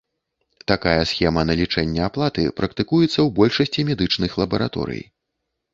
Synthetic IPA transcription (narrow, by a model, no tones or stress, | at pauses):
t̪akajɐsxʲɛmɐnɐlʲit͡ʂɛnʲːɛaplˠat̪ɨ̰pɾɐkt̪ɨkujɛt̪sːɐwbɔlʲʂɐsʲt͡sʲimʲɛd̪ɨt͡ʂnɨxlˠɐbɐɾa̰t̪ɔ̰ɾɨ̰j